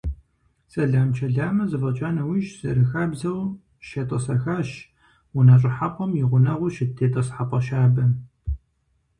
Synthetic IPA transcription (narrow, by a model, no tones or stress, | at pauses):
sɐɮaːmt͡ʃʰɐɮaːmɐzɨfɐt͡ʃʼaːnɐwiʃz̥ɐɾɨxaːbzɐw | ʃɐtʼɐsɐxaːʃ | wʊnaːt͡ʃʼɪħaqʷɔmjɪʁʷʊnɐʁʷʊʃɪtʰːeːtʼɐsħaqʷʼɐʃaːbɐ